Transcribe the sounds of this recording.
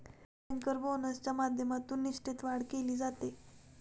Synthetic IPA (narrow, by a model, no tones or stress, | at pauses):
aŋkəɾbonəst͡ɕjamad̪ʱjəmat̪uːnːiʂʈit̪ʋaɽkeliːd͡zat̪e